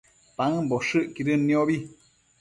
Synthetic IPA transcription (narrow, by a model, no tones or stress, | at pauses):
paŋboʂɨʔkiɾɨnːĩoβi